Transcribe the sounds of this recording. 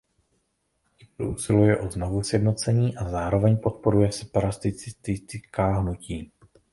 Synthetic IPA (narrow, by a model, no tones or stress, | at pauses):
cɪpɾṵusɪlujɛʔoznovusjɛdno̞t͡sɛɲiːʔazaːɾo̞vɛɲpo̞t̪̚po̞ɾujɛsɛ̥paɾast̪ɪt͡sɪt̪ɪt̪kaːɦnuciː